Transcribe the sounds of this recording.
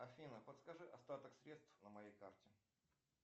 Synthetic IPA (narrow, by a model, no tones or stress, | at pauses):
ɐfʲinəpət̪skɐʐɨʔɐst̪at̪əksɾʲe̞t̪st̪fnəmɐjejkartʲɪ